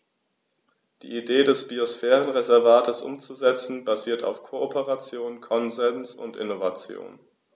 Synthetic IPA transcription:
d̥ḭːʔideːdɛsb̥iosfɛːʁənʁezɛɐvaːtʰəsʔʊ̰mt͡suzɛt͡sn̩baziːɐta̰ʊfkʰoːʔopʰəʁat͡sjoːnkʰɔnzɛnsʊ̰ntʔɪ̰novat͡sjo̰ːn

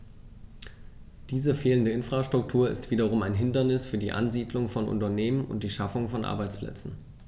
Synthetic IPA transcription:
d̥iːzəfeːləndəɪnfʁ̥aʃtʁ̥ʊk̚tʰuːɐɪ̰stv̥iːdɐʁ̞ʊmaɪnɦɪndɐnɪsfyːɐdiːʔa̰nziːdlʊŋfɔnʔʊ̰ntɐneːmənʔʊ̰nt̚d̥iːʃafʊŋfɔnʔa̰ɐbaɪt͡splɛ̰t͡sn̩

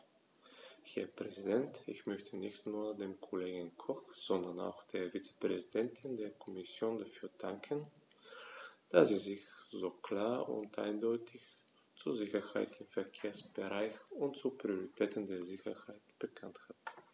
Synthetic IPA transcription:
hɛːɐpʁ̥ɛzidɛntɪçmœçtʰənɪçtnuːɐdeːmkʰɔleːɡənkʰɔxz̥ɔndɐna̰ʊxd̥eːɐvit͡sə̥pʁ̥ɛzid̥ɛntʰɪndeːɐkʰɔmɪsjoːndafyːɐdaŋkʰən | d̥asz̥iːzɪçz̥oːkl̥aːɐʊ̰ntʔa̰ɪndɔʏtʰɪç | t͡suɐzɪçɐha̰ɪtɪmfɛɐkʰeːɐsb̥əʁaɪçʊntt͡supʁ̥ioʁitʰɛːtən̩deːɐzɪçɐhaɪtb̥əkʰanthat

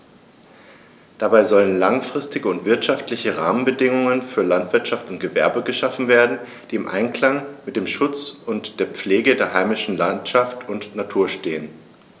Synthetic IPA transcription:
d̥abaɪzɔlənlaŋfʁ̥ɪstɪɡəʊntv̥ɪɐtʃaftlɪçəʁa̰ːmənbədɪŋʊŋənfyːɐlantv̥ɪɐtʃaftʊnt̚ɡ̥əvɛɐbəɡəʃafn̩veːɐdn̩ | d̥iːɪmʔa̰ɪnkl̥aŋmɪt̚d̥eːmʃʊt͡sʊntd̥eːɐp͡fleːɡədeːɐɦaɪmɪʃn̩lantʃaftʊntnatʰuːɐʃteːən

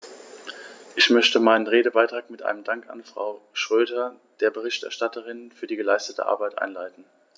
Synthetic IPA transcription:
ʔɪçmœçtəmaɪnənʁeːdəbaɪtʁ̥aːkmɪtʔa̰ɪnəmdaŋka̰nfʁ̥a̰ʊʃʁ̥øːdɐ | d̥eːɐbəʁ̞ɪçtɛ̰ɐʃtatəʁɪnfyːɐdiːɡəlaɪstətʰə̰ʔa̰ɐbaɪtʔa̰ɪnlaɪtn̩

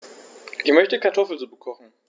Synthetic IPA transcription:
ʔiːmœçtəkaɐtʰɔfl̩t͡suːbəkʰɔχn̩

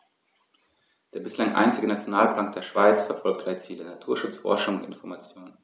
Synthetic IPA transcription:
d̥eːɐbɪslaŋʔa̰ɪnt͡sɪɡənat͡sjonaːlpl̥aːŋkd̥eːɐʃv̥aɪt͡sfɛɐfɔlk̚td̥ʁ̥aɪət͡siːlənatʰuːɐʃʊt͡sfɔ̰ɐʃʊŋʊntɪnfɔɐmat͡sjoːnən

